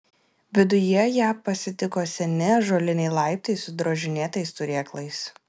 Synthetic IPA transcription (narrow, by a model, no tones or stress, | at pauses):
ʋʲɪd̪ʊjɛjæːpɐsʲɪt̪ʲɪkoːsʲɛnʲɪʒoːlʲɪnʲɛɪlˠɐˑɪp̚t̪ɐɪsʊd̪ɾoːʒʲɪnʲeːt̪ɐɪst̪ʊɾʲeːklˠɐɪs